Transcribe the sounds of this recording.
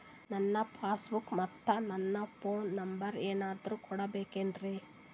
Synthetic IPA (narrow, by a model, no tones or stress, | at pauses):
nɐnːɐpʰaːsbukmɐt̪ːɐnɐnːɐpʰoːnːɐmbɐɾeːnaːd̪ɾukɔɽɐbeːkeːnd̪ɾe